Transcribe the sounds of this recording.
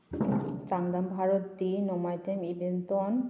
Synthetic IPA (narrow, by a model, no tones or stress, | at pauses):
t͡ɕaŋd̪ambʱaɾot̪̚d̪inɔmajt̪emibent̪on